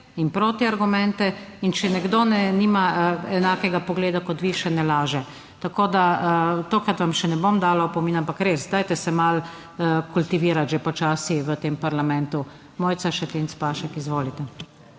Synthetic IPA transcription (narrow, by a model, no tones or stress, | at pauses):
inpɾoːt̪iaɾɡumɛ̃nt̪ɛint͡ʃɛnɛɡd̪oːnɛniːmaɛnaːkɛɡapɔɡleːd̪akɔt̪ʋiʃɛnɛlaːʒɛ | t̪akoːd̪at̪oːkɾat̪ʋamʃɛnɛbomd̪aːlapɔminampakɾesd̪aːjt̪ɛsɛmal | kult̪iʋiːɾat̪ʒepɔt͡ʃaːsiʋət̪eːmpaɾlamɛnt̪u | moːjt̪saʃɛt̪ent̪spaːʃɛkizʋoːlit̪ɛ